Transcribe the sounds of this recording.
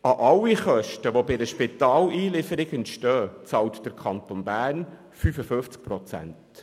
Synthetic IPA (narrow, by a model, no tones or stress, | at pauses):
ɑʔɑlːiχœʃtəʋobɪdəʃpɪt̪ɑːliːlɪfəɾɪɡəntʃtœːt͡sɑwtd̥əɾkʰɑnt̪onbæːrn | fyfəføft͡sk̚pɾɔt͡sæ̰nt